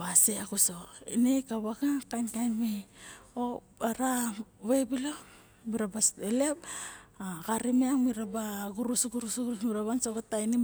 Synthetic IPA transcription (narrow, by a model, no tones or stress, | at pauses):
βaseakusoinekaβaɡakankajnmeo | aɾaβebilo | miɾabaselep̚akaɾimeaŋmiɾabaɡuɾusuɡuɾusɡuɾusmiɾaβansokatajni